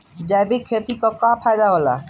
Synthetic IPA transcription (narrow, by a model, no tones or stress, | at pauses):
d͡ʑajbikʰːet̪ikɔkapʰajd̪aɦɔla̰